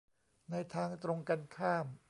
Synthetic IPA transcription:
na˧jt̪ʰaː˧ŋt̪ɾo˧ŋka˧nkʰaː˥˩m

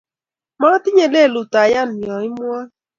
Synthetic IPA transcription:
mɔ˦ɾa˦ti˦ɲe˨le˦˨lu˨ta˨ja˦n̩˨jɔ˨i˦mʊ˦a˦

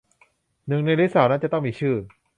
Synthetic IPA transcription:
nɯ˨˩ŋna˧jliː˦˥saː˩˦wnaː˦˥nt͡ɕa˨˩t̪ɔ˥˩ŋmiː˧t͡ɕʰɯː˥˩

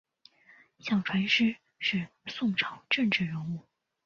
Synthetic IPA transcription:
ɕjɑ˥˩ŋʈ͡ʂʰwa˧˥nʂɻ̩˥ | ʂɻ̩˥˩˧ | sʊ˥˩ŋʈ͡ʂʰɑ˨˩˦ʊʈ͡ʂə˥˧ŋʈ͡ʂɻ̩˥˩ɻə˧˥nu˥˩

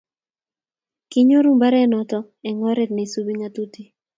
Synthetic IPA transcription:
ki˦ɲo˦ɾu˦mba˦ɾɛ˦nɔ˨tɔ˦ | ɛ˨ŋɔ˦ɾe˦tne˨su˦bi˦ŋa˦tu˦ti˦

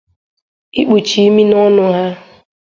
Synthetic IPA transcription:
i˦k͡pu˨t͡ʃi˨i˦mi˦nɔ˦nʊ˦ɦa˦

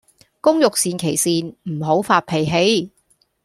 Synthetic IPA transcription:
kʊ˥ŋjʊ˨k̚siː˨˧nkʰe˨˩jsiː˨nm̩˨˩ɦo˨˥wfaː˧t̚pʰe˨˩jɦe˨˥j

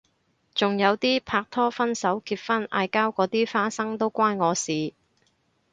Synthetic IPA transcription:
t͡sʊ˨ŋjɐ˨˧wt̪iː˥pʰaː˧k̚t̪ʰɔː˥fɐ˥nsɐ˨˥wkʰiː˧p̚fɐ˥na̰ː˧jkaː˥wkɔː˨˥t̪iː˥faː˥sɐ˥ŋt̪o˥wkʷaː˥nŋɔː˨˧siː˨

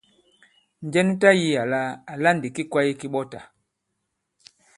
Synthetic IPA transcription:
n˨d͡ʒɛ˦ni˦ta˦ji˦ja˨la˦a˨la˦ndi˨ki˦kwa˦i˦ki˦ɓɔ˦ta˨

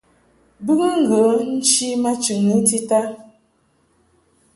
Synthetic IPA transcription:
bɨ˦ɣə˦ŋ̩˦ɡə˨˦n̩˦t͡ʃi˦ma˦t͡ʃʉ˨ŋə˨˦ti˦ta˦

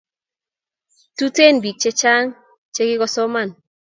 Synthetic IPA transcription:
tu˦te˦nbi˨k̚t͡ʃe˦t͡ʃa˦ŋ | t͡ʃe˦ɡɪ˦ɡɔ˦sɔ˦ma˦˨n

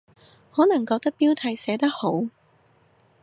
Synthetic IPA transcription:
hɔː˨˥nɐ˨˩ŋkɔː˧k̚t̪ɐ˥k̚piː˥wt̪ʰɐ˨˧jsɛː˨˥t̪ɐ˥k̚ho˨˥w

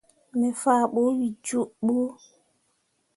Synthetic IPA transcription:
mɛ˨fa˦˨ɓo˦wi˨d͡ʒu˦ɓu˦

